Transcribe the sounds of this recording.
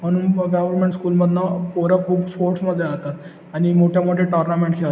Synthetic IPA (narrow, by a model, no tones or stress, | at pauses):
ənuɡaʋəɾmeɳʈskuːlməd̪ʱnapoɾəkʰuːbspoɾʈsməd̪ʱːeat̪at̪ | añimoʈʰjamoʈʰeʈəɾnameɳʈkʰel